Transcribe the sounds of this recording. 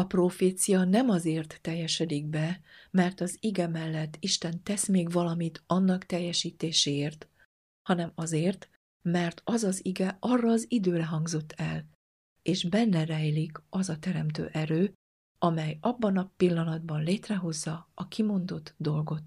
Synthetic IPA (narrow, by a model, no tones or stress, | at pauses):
ɒproːfeːt̪sijɒnɛmɒzeːrt̪ːɛjːɛʃɛd̪iɡ̚bɛmɛrt̪ɒziɡɛmɛlːɛt̪ːiʃt̪ɛnt̪ɛsmeːɡvɒlɒmit̪ɒnːɒkt̪ɛjːɛʃiːt̪eːʃeːeːrt̪ | hɒnɛmɒzeːrt̪ | mɛrt̪ʰɒzɒziɡɛɒrːɒːzid̪øːɾɛɦɒŋɡzo̞t̪ːɛl | eːʃbɛnːɛrɛjlikɒzɒt̪ɛɾɛmt̪ø̰ːʔɛɾøː | ɒmɛjɒbːɒnɒpilːɒnɒd̪̚bɒnleːt̪rɛɦo̞zːɒːkimo̞nd̪o̞t̪d̪o̞lɡo̞t̪